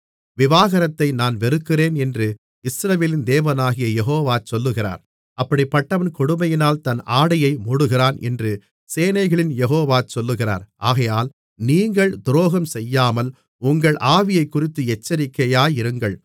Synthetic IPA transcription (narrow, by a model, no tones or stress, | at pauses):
ʋɪʋaːɣɐɾɐt̪ːɐɪnaːnʋɛɾɯkːɪreːnɛndrɯ | ɪsɾɐʋeːlɪnd̪eːʋɐnaːɣɪjɐjɛɦoːʋaːt͡ʃɔlːɯɣɪra̰ːɾ | ɐpːɐɽipːɐʈːɐʋɐnkɔɽɯmɐjɪnaːlt̪ɐnaːɽɐjɐɪmʊɽɯɣɪraːnʔɛ̰ndrɯ | seːnɐɪɣɐɭɪnjɛɣoːʋaːt͡ʃɔlːɯɣɪra̰ːɾʔaːɣɐjaːl | niːŋɡɐɭd̪ʊɾoːɣɐmsɛjːaːmɐl | ʊŋɡɐɭʔaːʋɪjɐɪkːʊrɪt̪ːɯɛt͡ʃːɐɾɪkːɐjaːjɪɾɯŋɡɐɭ